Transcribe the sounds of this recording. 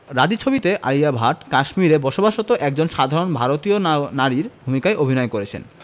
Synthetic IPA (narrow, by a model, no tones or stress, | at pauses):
ɾad͡ʑ̪it͡ɕʰobit̪eʔa̰jabʱaʈkaʃmiɾebɔʃobaʃot̪oʔɛk̚d͡ʑonʃad̪ʱaɾonbʱaɾot̪ionaɾiɾbʱumikaeʔobʱinɔekoɾet͡ɕʰḛn